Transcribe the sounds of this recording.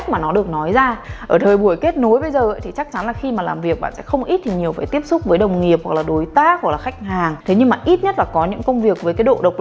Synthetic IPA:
k̚maː˨˩nɔ˨˦ɗɨ˨˩ək̚nɔ˨˦jzaː˧ʔʔəː˧˩t̪ʰəː˨˩jɓu˧˩əjke˦˥t̚no˨˦jɓə˧jzəː˨˩ʔə˨˦jt̪ʰi˨˩t͡ɕa˦˥k̚t͡ɕa˨˦nlaː˨˩xi˧maː˨˩laː˨˩mvi˨˩ək̚ɓa̰ː˧˨sɛ̰˧˥xə˧wŋ͡mʔi˦˥t̚t̪ʰi˨˩ɲi˨˩əwfaː˧˩jt̪i˦˥əp̚sʊ˦˥k͡p̚vəː˨˦jɗə˨˩wŋ͡mŋi˨˩əp̚hwa˨˩k̚laː˨˩ɗo˨˦jt̪aː˦˥hwa˨˩k̚laː˨˩xa˦˥jk̟̚haː˨˩ŋt̪ʰe˨˦ɲɨ˧ŋmaː˨˩ʔi˦˥t̚ɲə˦˥t̚laː˨˩kɔ˨˦ɲɨ̰˧˥ŋkə˧wŋ͡mvi˨˩ək̚vəː˨˦jkaː˨˦ɗo̰˧˨ɗə˨˩wk͡p̚

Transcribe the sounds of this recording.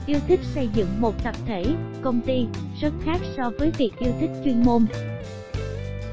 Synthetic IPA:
ʔi˧əwt̪ʰï˦˥k̟̚sə˧jzɨ̰˧˨ŋmo˨˩t̚t̪ʰə˨˩p̚t̪ʰe˧˩kə˧wŋ͡mt̪i˧swə˦˥t̚xaː˦˥k̚sɔ˧vəː˨˦jvi˨˩ək̚ʔi˧əwt̪ʰï˦˥k̟̚t͡ɕwi˧ənmo˧n

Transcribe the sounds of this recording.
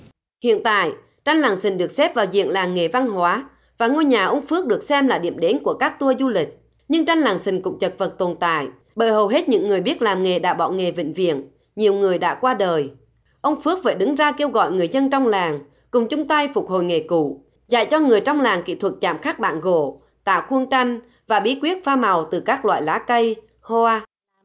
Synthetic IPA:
hḭ˧˨ənt̪a̰ː˧˨j | t͡ɕa˧jŋ̟laː˨˩ŋsï˨˩ŋ̟ɗɨ˨˩ək̚sɛ˦˥p̚vaː˨˩wzḭ˧˨ənlaː˨˩ŋŋe˨˩va˧ŋɦwaː˨˦ | vaː˨˩ŋo˧jɲaː˨˩ʔə˧wŋ͡mfɨ˦˥ək̚ɗɨ˨˩ək̚sɛ˧mlaː˨˩ɗḭ˧˨əmɗe˨˦nku˧˩əkaː˦˥k̚t̪u˧əzu˧lï˨˩k̟̚ | ɲɨ˧ŋt͡ɕa˧jŋ̟laː˨˩ŋsï˨˩ŋ̟kʊ̰˧˥ŋ͡mt͡ɕə˨˩t̚və˨˩t̚t̪o˨˩nt̪a̰ː˧˨j | ɓə̰ː˧˨˩jɦə˨˩wɦe˦˥t̚ɲɨ̰˧˥ŋːɨ˨˩əjɓi˦˥ət̚laː˨˩mŋe˨˩ɗa̰ː˧˥ɓɔ̰˧˨ŋe˨˩vḭ̈˧˨ŋ̟vḭ˧˨ən | ɲi˨˩əwŋɨ˨˩əjɗa̰ː˧˥kwaː˧ɗəː˨˩j | ʔə˧wŋ͡mfɨ˦˥ək̚və̰ː˧˩ɗɨ˨˦ŋzaː˧ke˧wɣɔ̰˧˨jŋɨ˨˩əjzə˧nt͡ɕɔ˧wŋ͡mlaː˨˩ŋ | kʊ˨˩ŋ͡mt͡ɕʊ˨˦ŋ͡mt̪a˧jfʊ˨˩k͡p̚ho̰˧˨jŋe˨˩kṵ˧˨ | za̰˧˨jt͡ɕɔ˧ŋɨ˨˩əjt͡ɕwŋ͡mlaː˨˩ŋkḭ˧˨t̪ʰwə˨˩t̚t͡ɕa̰ː˧˨mxaː˦˥k̚ɓa̰ː˧˨nɣo̰˧˨ | t̪a̰ː˧˨wxwu˧əŋt͡ɕa˧jŋ̟ | vaː˨˩ɓi˨˧˥kwi˦˥ət̚faː˧ma˨˩wt̪ɨ˨˩kaː˦˥k̚lwa̰ː˧˨jlaː˨˦kə˧j | hɔ˧a˧

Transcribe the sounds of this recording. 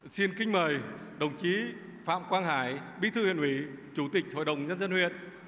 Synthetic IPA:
si˧nkï˧ŋ̟məː˨˩j | ɗə˨˩wŋ͡mt͡ɕi˨˦ | fa̰ː˧˨mkwaː˧nɦaː˨˩˦jɓḭ˧˥t̪ʰɨ˧hwi˧˨ənhwi˨˩˦t͡ɕu˨˧˩t̪ï˨˩k̚ho̰˧˨jɗə˨˩wŋ͡mzə˧nzə˧nhwḭ˧˨ən

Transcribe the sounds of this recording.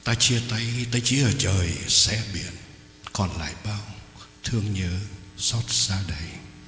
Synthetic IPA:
t̪aː˧t͡ɕi˧ət̪a˧jt̪a˨˧jt͡ɕi˧˦ʔəː˨˩t͡ɕəː˨˩jsɛ̰˧˥ɓi˧˨ən | kɔ˨˩nla̰ː˧˨jɓaː˧w | t̪ʰɨ˧əŋɲɨ˧˦sɔ˦˥t̚z̥aː˧ɗə˧˩j

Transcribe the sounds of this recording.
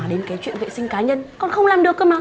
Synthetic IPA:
ɗe˨˦nkaː˨˦t͡ɕwḭ˧˨ənvḛ˧˨sï˧ŋ̟kaː˨˦ɲə˧nkɔ˨˧nxə˧wŋ͡mlaː˨˩mɗɨ˨˩əkʔə˨˦maː˨˦

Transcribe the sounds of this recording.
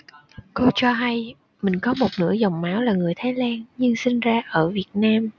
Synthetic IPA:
ko˧t͡ɕɔ˧ɦa˧j | mï˨˩ŋ̟kɔ˨˦mo˨˩t̚nɨ̰˧˥əzɔ˨˩wŋ͡mmaː˨˦wlaː˨˩ŋɨ˨˩əjt̪ʰaː˨˦jlaː˧nɲɨ˧ŋsï˧ŋzaː˧ʔəː˧˩vi˨˩ət̚naː˧m

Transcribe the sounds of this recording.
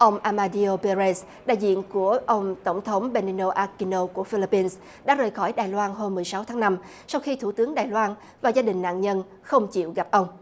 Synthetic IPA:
ʔə˧wŋ͡mʔaː˧maː˧ɗi˧o˧pe˧ze˧s | ɗa̰ː˧˨jzḭ˧˨ənku˧˩əʔə˧wŋ͡mt̪ə˧˩wŋ͡mt̪ʰə˨˦wŋ͡mɓe˧ni˧no˧ʔaː˧ki˧no˧ku˧˩əfi˧li˧pːi˧ns | ɗa̰ː˧˥zəː˨˩jxɔ˧˩jɗaː˨˩jlwaː˧nɦo˧mːɨ˨˩əjsa˨˦wt̪ʰaː˨˦ŋna˧m | sa˧wxi˧t̪ʰu˧˩t̪ɨ˨˦əŋɗaː˨˩jlwaː˧n | vaː˨˩zaː˧ɗï˨˩ŋ̟na̰ː˧˨nɲə˧n | xə˧wŋ͡mt͡ɕḭ˧˨wɣa˨˩p̚ʔə˧wŋ͡m

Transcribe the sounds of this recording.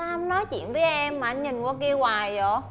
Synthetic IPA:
a˧mnɔ˨˦jt͡ɕḭ˧˨ənvəː˨˦jʔɛ˧mːaː˨˩ʔa˧jnɲi˨˩ŋkwaː˧ki˧əwaː˨˩jzɔ˧˩

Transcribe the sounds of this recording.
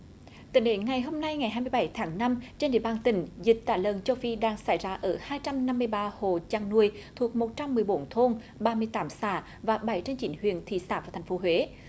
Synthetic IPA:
t̪ə̰˧˨˩ɗe˨˦nŋa˨˩jɦo˧mna˧jŋa˨˩jɦaː˧jmɨ˧əjɓa˧˩˦jt̪ʰaː˨˦ŋna˧mt͡ɕe˧nɗḭ˧˨əɓaː˧nt̪ï˧˩˦ŋ̟zï˨˩k̟̚t̪a̰ː˧˩ləː˨˩nt͡ɕə˧wfi˧ɗaː˧ŋsa̰˧˩jzaː˧ʔəː˧˩haː˧jt͡ɕa˧mna˧mːɨ˧əjɓaː˧ho˨˩t͡ɕaː˧˨ŋnu˧˩əjt̪ʰu˨˩ək̚mo˨˩t̚t͡ɕa˧mːɨ˨˩əjɓo˨˦nt̪ʰo˧n | ɓaː˧mɨ˧əjt̪aː˨˦msaː˧˩ | vaː˨˩ɓa˧˩jt͡ɕe˧nt͡ɕḭ˨˦nhwḭ˧˨ənt̪ʰḭ˧˨saː˧˩vaː˨˩t̪ʰŋ̟fo˨˦ɦwe˨˦

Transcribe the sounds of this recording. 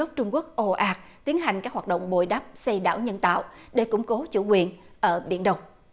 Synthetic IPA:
k͡p̚t͡ɕʊ˧ŋ͡mku˦˥ək̚ʔo˧ʔaː˧˦k̚t̪i˨˦ənɦa˨˩jŋ̟kaː˦˥k̚hwaː˨˩t̚ɗə̰˧˨wŋ͡mɓo˧˩jɗaː˦˥p̚sə˧jɗa̰ː˧˩˨wɲə˧nt̪a̰ː˧˨w | ɗe˧˩kʊ̰˧˥ŋ͡mko˨˦t͡ɕṵ˧˩kwi˨˩ən | ʔəː˧˩ɓḭ˧˩ənɗə˧wŋ͡m

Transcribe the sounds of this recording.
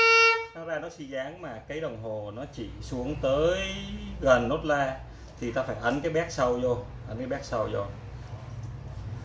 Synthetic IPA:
naː˨˦zaː˧nɔ˨˦si˧zaː˨˦ŋmaː˨˩kaː˨˦jɗə˨˩wŋ͡mɦo˨˩nɔ˨˦t͡ɕi˧˩su˨˦əŋt̪əː˨˦jɣə˨˩nːo˦˥t̚laː˧ | t̪ʰi˨˩t̪aː˧faː˧˩jʔə˨˦nkaː˨˦jɓɛ˦˥k̚sə˧wzo˧j | ʔə˨˦nkaː˨˦jɓɛː˦˥k̚sə˧wzo˧˩j

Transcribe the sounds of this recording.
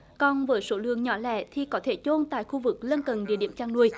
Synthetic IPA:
kɔ˧˩nvəː˨˦jso˨˦lɨ̰˧˨əŋɲɔ˧˦lɛ̰˧˩˨t̪ʰi˨˩kɔ˨˦t̪ʰe˧˩t͡ɕo˧nt̪a̰ː˧˨jxu˧vɨ˨˩k̚lə˧nkə˨˩nɗḭ˧˨ɗi˧˩əmt͡ɕaː˧ŋnu˧əj

